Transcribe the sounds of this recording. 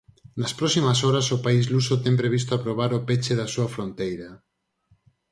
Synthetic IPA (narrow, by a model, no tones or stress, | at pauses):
nɐspɾɔsimasɔɾasopaizlusot̪ɛmpɾeβ̞ist̪oapɾoβ̞aɾopet͡ʃeðasuɐfɾont̪ejɾɐ